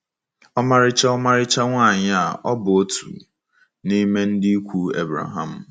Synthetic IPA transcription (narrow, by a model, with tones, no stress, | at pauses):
ɔ˦ma˦ɾɪ˦t͡ʃa˦ɔ˦ma˦ɾɪ˦t͡ʃa˦ŋʷaː˦˨ɲɪ˦a˨ʔɔ˦bʊ˨o˦tṵ˨ | ni˦me˦n̩˦dɪ˦kʷu˦ḛ˦bɾa̰˨ɦa˨m̩˨